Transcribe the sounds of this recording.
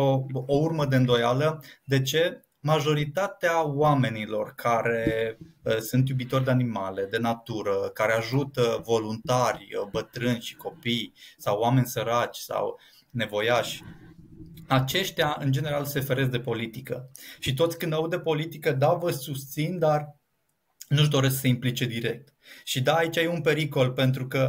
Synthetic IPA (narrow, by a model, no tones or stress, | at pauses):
oourməd̪e̞ɨnd̪o̞jaləd̪e̞t͡ʃe̞ | maʒo̞ɾit̪at̪eawame̞nilo̞̰rkʰaɾe̞əsunt̪̬jubit̪orʲd̪e̞animale̞d̪e̞nat̪uɾəkaɾe̞aʒut̪əvo̞lunt̪arʲəbət̪ɾɨnʲʃi̥ko̞pijsawːame̞nʲsəɾat͡ʃʲsa̰w | ne̞vo̞jaʃʲ | at͡ʃe̞ʃt̪ʲaɨnd͡ʒe̞ne̞ɾalse̞fe̞ɾes̬d̪e̞po̞lit̪ikə̰ʃit̪̬o̞t̪sʲkɨnd̪aud̪epo̞lit̪ikəd̪avəsust̪sind̪ar | nuʃd̪o̞ɾe̞sksəimplit͡ʃe̞d̪iɾe̞k̚t̪ | ʃid̪aːit͡ʃajeunpe̞ɾiko̞lpe̞nt̪̬ɾukə